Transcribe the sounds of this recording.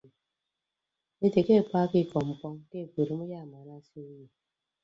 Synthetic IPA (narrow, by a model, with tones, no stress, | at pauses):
e˦te˨ke˦˨k͡pʷa˦kɪ˦˨kɔ˨m̩˨k͡pɔ˦ŋ˦ke˦˨ku˨ɾi˦m̩˦ja˦˨ma˨ɾa˦si˦je˨